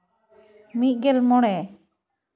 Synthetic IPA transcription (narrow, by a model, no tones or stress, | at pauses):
mit̪̚ˀɡɛlmɔɽ̃ɛ